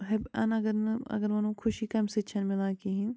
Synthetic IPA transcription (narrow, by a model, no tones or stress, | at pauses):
ɦɐbɐ̰nɐɡəɾnɐ̰ɡəɾʋɐnũkʰʊʃikɐmset͡ʃʰɐnmɪlaːkiɦĩ